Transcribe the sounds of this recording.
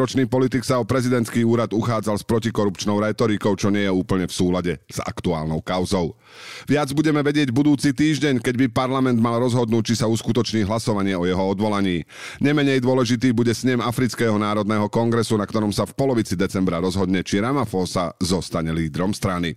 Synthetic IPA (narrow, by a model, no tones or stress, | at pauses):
ɾɔt͡ʃniːpɔlit̪iksaɔpɾɛzid̪ɛnt̪kiːuːɾad̪uxaːd͡zalspɾɔcikɔɾupt͡ʃnɔʊɾɛt̪ɔɾikɔʊt͡ʃɔɲɪɛjɛuːpl̩ɲɛfsuːlaɟɛz̥a̰kt̪ua̰ːlnɔʊkaʊzɔʊ | ʋɪad͡zbuɟɛmɛʋɛɟɪɛɟbud̪uːt͡siːt̪iːʒɟɛɲkɛɟbipaɾlamɛnd̪malɾɔzɦɔd̪nuːc̚t͡ʃisauskut̪ɔt͡ʃɲiːɦlasɔʋaɲɪɛɔjɛɦɔɔd̪ʋɔlaɲiː | ɲɛmɛɲɛjd̪ʊɔlɛʒit̪̬iːbuɟɛsɲɛmafɾit͡skɛːɦɔnaːɾɔd̪nɛːɦɔkɔŋɡɾɛsunakt̪ɔɾɔmsafpɔlɔʋit͡sid̪ɛt͡sɛmbɾaɾɔzɦɔd̪ɲɛt͡ʃiɾamafɔːsazɔst̪aɲɛliːd̪ɾɔmst̪ɾani